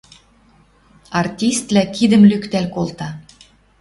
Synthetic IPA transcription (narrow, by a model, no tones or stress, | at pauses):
ɑrtʲist̪lækid̪ə̆mlykt̪ælkolt̪ɑ